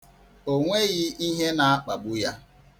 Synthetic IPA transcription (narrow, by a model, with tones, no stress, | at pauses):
o˦ŋʷe˦ɣɪ˦i˦ɦe˦na˨a˦k͡pa˨ɡ͡bu˦ja˦